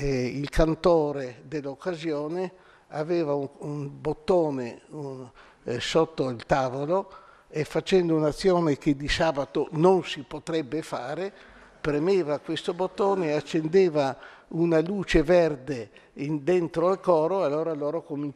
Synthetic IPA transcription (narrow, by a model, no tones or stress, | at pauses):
ilkʰant̪oːɾed̪elːokːazjoːne | aveːvauunbot̪ːoːneu | sot̪ːoilt̪aːvolo | efat͡ʃɛnd̪ounat̪sːjoːnek̟ed̪isaːbat̪ononsipot̪ɾɛbːefaːɾepɾemeːvakwest̪obot̪ːoːneat͡ʃːend̪eːvaunaluːt͡ʃeverd̪end̪ent̪ɾoalkɔːɾoalːoːɾalːoːɾokomin